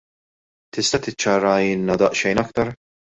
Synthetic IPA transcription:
t̪ɪst̪ɐt̪ɪt͡ʃːɐɾɐɪlnɐd̪ɐʔʃɛjnɐkt̪ɐɾ

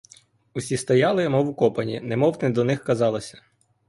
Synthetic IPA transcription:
usʲist̪ɔjɑlˠɪjmɔwukɔpɐnʲḭnɛmɔwt̪ɪd̪ɔnɪxkɐzɑlˠɐsʲɐ̥

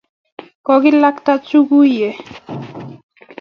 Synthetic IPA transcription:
kɔɡilːakt̪at͡ɕuɡuje

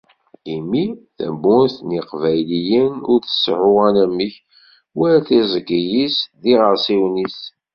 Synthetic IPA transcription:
imiθæ̰mbʊnθniqvæjlijənʊɾθə̥sʕʊʁænæməç | wæɾæθizˤəɡijisðiʁəɾsiwnis

